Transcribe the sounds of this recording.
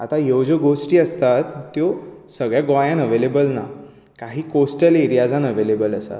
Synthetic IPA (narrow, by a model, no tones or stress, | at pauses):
a̰t̪ajewd͡ʑəɡosʈiːəst̪at̪ːjosəɡɭjaɡɔjãnəʋelebəlna̰ | kaɦiːkosʈəliɾijad͡zanəʋelebələsa̰t̪